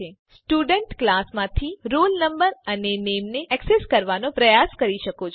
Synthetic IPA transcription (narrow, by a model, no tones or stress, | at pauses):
e | sʈuɖəɳʈklasmãt̪ʰiɾulnəmbəɾənenemneʔɛkseskəɾʋanopɾəjaskəɾiʃəkot͡ʃʰ